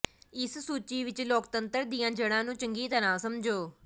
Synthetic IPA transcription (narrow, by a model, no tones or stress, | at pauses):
ɪssuːt͡ʃiːʋɪt͡ʃloːkt̪ənt̪əɾd̪iːjãːd͡ʒəɽãːnũːt͡ʃəŋɡiːt̪əɾãːsəmd͡ʒoː